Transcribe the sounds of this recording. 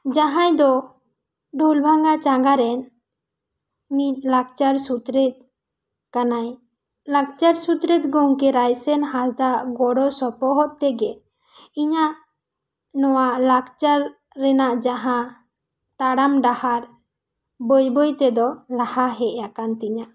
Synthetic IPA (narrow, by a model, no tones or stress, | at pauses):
d͡ʒaɦãjd̪ɔ | ɖʱulbʱaŋɡat͡ʃaŋɡaɾɛn | mit̪̚ˀlaɡ̚t͡ʃaɾsut̪ɾɛt̪̚ | kanaj | laɡt͡ʃaɾsut̪ɾɛt̪̚ɡow̃kɛɾajsɛnɦasd̪aʔɡɔɽɔsɔpɔɦɔʔ̚t̪ɛɡɛ | iɲaʔ | nɔwaʔlaɡt͡ʃaɾː | ɛnaʔd͡ʒaɦã | t̪aɽamɖahaɾ | bojbɔjt̪ɛd̪ɔlahaɦɛʔjakant̪iɲaʔ